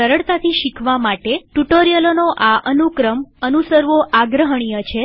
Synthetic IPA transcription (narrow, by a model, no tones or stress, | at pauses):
əɾəɽt̪at̪ʰiʃikʰʋamaʈeʈuʈoɾijəlonoʔaʔənukɾəmənusəɾʋoʔaɡɾəɦəɳ̃ijət͡ʃʰe